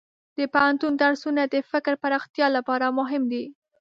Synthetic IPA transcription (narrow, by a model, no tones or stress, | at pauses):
d̪̥əpahant̪und̪aɽsunad̪əfɪkɾpaɾɑxt̪jɑlapɑɾamʊɦɪmd̪i